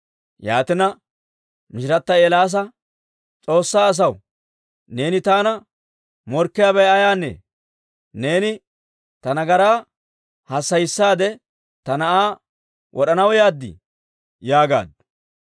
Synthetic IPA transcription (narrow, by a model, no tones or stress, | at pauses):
jaːt̪ɪnɐ | mɪʃɪɾɐt̪ːɐeːlaːs̬ɐ | t͡sʼo̞ːsːaːs̬ɐw | ne̞ːnɪt̪aːnɐ | mɔɾkːɪjaːbɛjɐjaːnːḛː | ne̞ːnɪ | t̪ɐnɐɡɐɾaː | hɐsːɐjɪsːaːd̪ɛ | t̪ɐnɐʔaː | wʔɔɗɐnɐwjaːd̪ːɪ̰ | jaːɡa̰ːd̪